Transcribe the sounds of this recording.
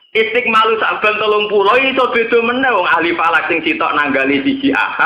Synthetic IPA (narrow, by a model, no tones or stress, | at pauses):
ʔist̪ɪk̚malusa̰ʔb̥a̤nt̪əlʊŋpuɾɔisɔb̥e̤d̪̥o̤mənːɛɦwɔŋahlifalak̚sɪŋsit̪ɔ̰ʔnaŋɡalisi̥ʒ̥i̤ʔa̰ha